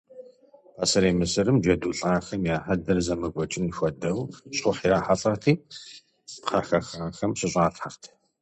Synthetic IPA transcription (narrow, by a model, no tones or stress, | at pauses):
asɐɾeːmɨsɨɾɨmd͡ʒɐduːɬʼaːxɐmjaːħɐdɐrzɐmɨɡʷɔt͡ʃʼɪnxʷɔdɐwɕʼʊħiɾaːħaɬʼɐrtʰiː | pqɐxɐxaːxɐmɕɪɕʼaːɬħaχtʰ